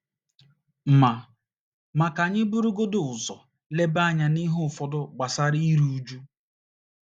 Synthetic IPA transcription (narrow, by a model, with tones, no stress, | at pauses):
m̩˨ma˨ | ma˨ka˨ɲɪ˦bu˦ɾu˦ɡo˦dʊ˨ʊ˨zɔ˨ | le˦ba˦˨ɲa˨ni˦ɦʊ˦˨fɔ˨dʊ˦ɡ͡ba˨sa˦ɾi˦i˦ɾu˦u˦d͡ʒu˦